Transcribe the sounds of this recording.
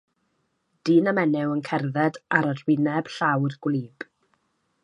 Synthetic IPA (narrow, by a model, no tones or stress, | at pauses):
d̥iːnamɛnɛwənkʰɛrðɛdaɾərwɪnɛb̥ɬawrɡwliːb̥